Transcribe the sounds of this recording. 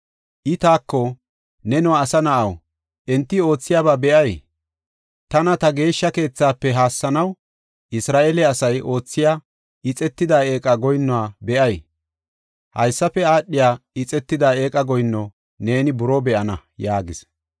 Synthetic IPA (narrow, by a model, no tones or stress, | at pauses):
ʔɪt̪aːkːɔ | nɛnɔwaːsɐnɐʔɐw | ʔɛnt̪ːɪo̞ːt͡sːɪjaːbaːbɛʔɐj | t̪ɐnɐt̪ɐɡe̞ːʃːɐke̞ːt͡sːaːpːɛɦaːsːɐnɐw | ʔɪsɾaːʔelɛɐsɐjʔo̞ːt͡sːɪjaː | ɪt͡sʼɛt̪ːɪd̪aːe̞ːkʼɐɡɔjnːɔwaːbɛʔɐj | hɐjsːɐpːɛaːɗːɪjaːɪt͡sʼɛt̪ːɪd̪ae̞ːkʼɐɡɔjnːɔ | ne̞ːnɪbʊɾɔbɛʔɐnɐjaːɡɪs